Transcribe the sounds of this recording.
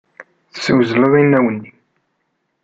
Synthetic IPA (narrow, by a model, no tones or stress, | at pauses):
θə̥sːəwzələðˤinːæwənːi